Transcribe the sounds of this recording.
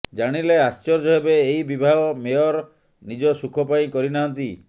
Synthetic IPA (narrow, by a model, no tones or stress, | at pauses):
d͡ʒaɽ̃ileast͡ʃɔɾd͡ʒɔɦebeːibibʱaɭɔmejɔɾ | nid͡ʒɔsukʰɔpaĩkɔɾinaɦɔnt̪i